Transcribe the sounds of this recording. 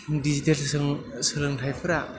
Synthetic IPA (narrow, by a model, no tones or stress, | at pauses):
dizitelsɯŋsɯlɯŋtʰajpʰɯɾa